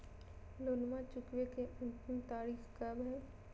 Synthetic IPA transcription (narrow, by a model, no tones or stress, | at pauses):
loːnmãt͡ʃʊkʋekeʊnt̪ɪmt̪aːɾiːxkabʱɛ